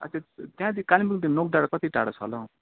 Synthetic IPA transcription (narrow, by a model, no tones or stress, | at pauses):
ʌ̰t̪ẽt̪jãd̪ikalimikd̪inok̚ɖaɽkʌt̪iʈa̰ɽʌt͡sʰʌ̰lʌ